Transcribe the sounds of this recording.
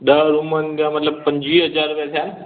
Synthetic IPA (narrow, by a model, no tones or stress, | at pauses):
ɗəɾumənɡamət̪ləb̚pɐ̃ɲd͡ʑʋiɦɐzaɾupjat̪ʰjaːn